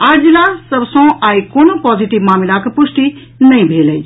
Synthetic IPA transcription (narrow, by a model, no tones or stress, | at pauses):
aɾd͡ʒilasəbsõʔaikoːnopɔːziʈiʋmaːmilakepusʈi | nəĩbʱeləj